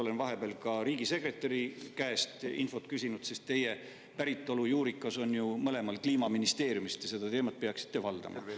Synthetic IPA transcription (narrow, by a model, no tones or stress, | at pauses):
o̞le̞nvɑɦe̞b̥eɑlkɑɾiːɡise̞kre̞t̪ːˑɑɾikæest̪ḭnfo̞t̪kysʲinud̪̥sest̪t̪ːe̞je̞ | pæɾit̪ːˑo̞lujuːɾikːˑɑso̞njumɤle̞mɑlkliːmɑminist̪e̞ːɾjumist̪jɑse̞d̪̥ɑt̪e̞ːmɑt̪̚peɑksi̥t̪ːe̞vɑld̪̥ɑ̰mʔɑ̰